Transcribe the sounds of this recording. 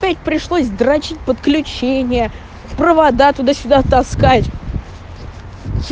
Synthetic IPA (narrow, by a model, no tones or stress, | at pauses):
pʲætʲpɾʲɪʂlˠosʲd̪ɾɐt͡ɕitʲpət̪klʲʉt͡ɕenʲɪjə | pɾəvɐd̪at̪ʊd̪asʲʊd̪at̪ɐskatʲ